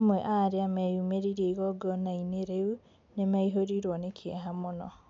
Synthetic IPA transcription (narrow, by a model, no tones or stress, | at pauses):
mwɛʔaɾeamɛjumeɾiɾeiɣɔɡɔnaineɾeu | nemaiɦoɾiɾwɔnekʰɛɦamonɔ̰